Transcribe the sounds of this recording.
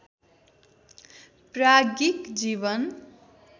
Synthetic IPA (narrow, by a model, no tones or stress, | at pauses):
praɡikd͡zibʌn